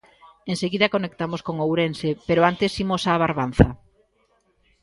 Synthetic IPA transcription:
eŋseɣiðɐkonek̚t̪amoskoŋowɾensepeɾoant̪esimosaːβ̞aɾβ̞an̟θɐ

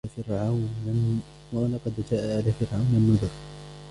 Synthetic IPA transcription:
afɪɾʕawnan | waʔalaqɑd̪d͡ʒaːʔaʕalaːfɪɾʕawnanːʊd̪ʊɾ

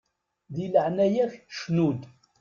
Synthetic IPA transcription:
ðiləʕnæjæçə̥ʃnud̪

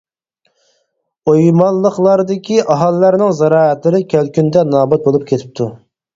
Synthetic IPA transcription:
ojmɑlˠːəχlˠɑɾd̪ɪkʲʰiʔɑɦɑlˠːæɾnɪŋzɛɾɑːɛt̪lɨɾɪkʲʰælkʲʰynd̪ɛnɑːbɑt̪̚bolˠup̚kʲʰet̪ʰɪ̥p̚t̪ʰu

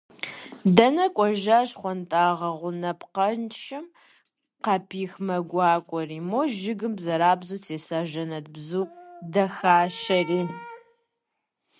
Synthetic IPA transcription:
dɐnɐkʷʼɔʒaːɕχʷɔntʼaːʁɐʁʷʊnɐpqɐnt͡ʃʰɪm | qɑpʰiːxmɐɡʷɑːkʷʼɔriːmoːʒɪɡɨmbzɐɾaːbzuːtʰeːsaːʒɐnɐtbzuːdɐxaːʃɐriː

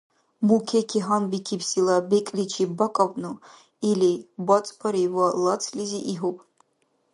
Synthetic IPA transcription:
mukʲʰekʰʲiɦambikʲʰipʰsilabekʼlit͡ʃʰibakʼavʼnu | ilibɔt͡sʼpʰaɾiwɔlat͡sʰliziʔiɦupʼ

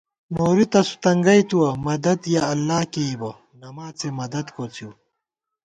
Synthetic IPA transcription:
noːɾit̪ɐsu̥t̪ɐŋɡɐjt̪uwɐmɐd̪ɐd̪jaɐlːaːkeibɐ | nɐmaːt͡semɐd̪ɐd̪koːt͡siw

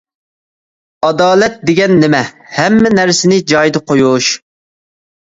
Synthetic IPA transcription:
ɑd̪ɑːlɛt̪̚d̪eɡʲɛnːɪmɛhɛmːɪnæɾsɪnɪd͡ʒɑjd̪ɨqʰojuʃ

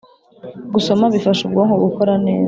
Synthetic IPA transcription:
ɡuso̞maβifaʃubɡoŋoɡukoɾane̞ːza

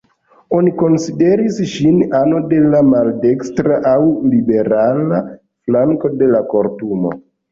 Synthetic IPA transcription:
o̞niko̞nside̞ɾisʃinano̞de̞lamalde̞kstɾaʔawlibe̞ɾala | flaŋko̞de̞lako̞ɾtumo̞̰

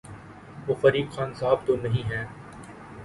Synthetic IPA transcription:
ʋoːfɐɾiːkxaːnsaɦb̚t̪onɐɦĩːɦɛː

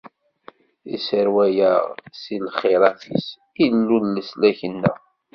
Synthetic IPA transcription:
ḭsəɾwæjəʁsilχeɾˤɑθḭs | ilːunləslæçənːæ̰

